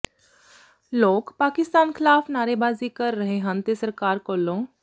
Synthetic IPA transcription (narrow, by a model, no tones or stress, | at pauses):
loːkpaːkɪst̪aːnkʰɪlaːfnaːɾebaːzikəɾːɐɦeɦə̃nt̪esɐɾkaːɾkoːlːõː